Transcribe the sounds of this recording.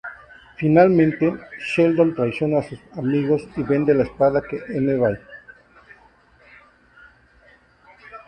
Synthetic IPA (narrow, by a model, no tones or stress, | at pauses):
finalmẽnt̪e̞ʃeld̪ont̪ɾajsjo̞naːsusamiɣo̞siβe̞nd̪elaespaðakeʔeneβaj